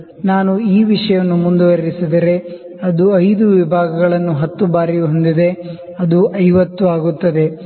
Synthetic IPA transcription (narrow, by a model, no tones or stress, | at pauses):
naːnuiːʋiʂɐjɐnːumund̪uʋɐɾisid̪ɐɾe̞ | ɐd̪uɐjd̪uʋibʱaːɡɐɡɐɭɐnːuɦɐt̪ːubaːɾiɦo̞nd̪id̪e̞ | ɐd̪uʔɐjʋɐt̪ːuaːɡut̪ːɐd̪e̞